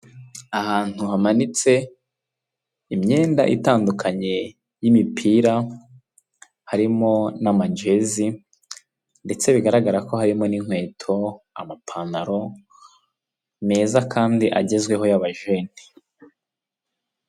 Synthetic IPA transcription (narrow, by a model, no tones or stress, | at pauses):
ahaːn̥huhamanit͡se̞ | imɲe̞ːnda̰ʔḭtaːndukʰaɲe̞ | jimipʰiːɾa | haɾimo̞namaɲɟe̞zi | nde̞t͡se̞βiɡaɾaɡaɾako̞haɾimo̞niŋhwe̞ːtʰo̞ | a̰mapʰanaɾo̞ | me̞ːzakʰaːndiʔaɟe̞zɡwe̞ɦo̞jaβaʒeːn̥i̥